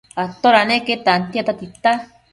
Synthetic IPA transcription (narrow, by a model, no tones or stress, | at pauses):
at̪oɾanẽket̪ant̪iat̪at̪it̪a